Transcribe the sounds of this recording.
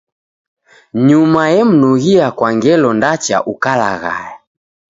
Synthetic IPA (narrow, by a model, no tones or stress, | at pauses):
ɲumajɛm̩nuɣiakwaŋɡɛlɔndat͡ʃa̰ʔukala̰ɣa̰ja